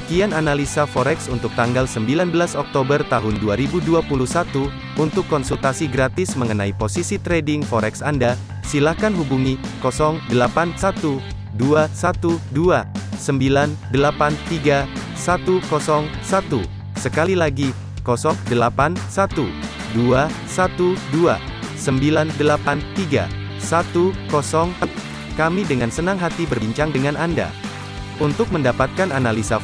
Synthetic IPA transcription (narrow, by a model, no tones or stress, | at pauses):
əkiananalisafɔɾɛksunt̪ʊk̚t̪aŋɡalsəmbilanbəlasɔk̚t̪obərt̪aɦʊnduaɾibuduapuluhsat̪u | unt̪ʊkːɔnsult̪asiɡɾat̪ɪsməŋənaiposisit̪ɾɛdɪŋfɔɾɛksanda | silahkanɦubuŋikɔsɔŋdəlapansat̪u | duasat̪uduasəmbilandəlapant̪iɡa | sat̪ukɔsɔŋsat̪u | səkalilaɡi | kɔsɔŋdəlapansat̪u | dua | sat̪udua̰ | səmbilandəlapant̪iɡa̰ | sat̪ukɔsɔŋs | kamidəŋansənaŋɦat̪ibərbiɲt͡ʃaŋdəŋanʔanda̰ | unt̪ʊk̚məndapat̪̚kananalisa